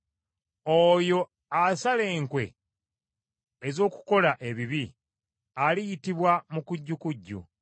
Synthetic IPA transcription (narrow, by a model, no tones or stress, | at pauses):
ojo̞ | asale̞ːŋkwe̞ | ezo̞ːku̥ko̞laʔe̞βiβi | alijitiβwamukuɟːukuɟːṵ